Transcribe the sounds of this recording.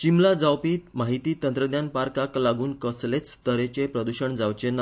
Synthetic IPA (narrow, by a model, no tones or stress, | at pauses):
t͡ɕimlad͡zawpiːmaɦit̪iːt̪ənt̪ɾəd̪janpaɾkaklaɡuːnkəslet͡st̪əɾet͡ɕepɾəd̪uɕəɳd͡zawt͡ɕena